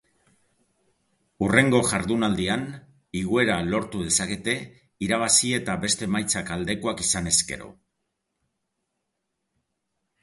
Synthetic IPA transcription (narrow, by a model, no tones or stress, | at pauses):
ure̞ŋɡo̞ʝaɾðunald̪ian | iɣue̞ɾalo̞ɾt̪uðe̞sake̞t̪e̞ | iɾaβ̞asie̞t̪abe̞st̪e̞majt͡sakald̪e̞ko̞akisane̞ske̞̰ɾo̞̰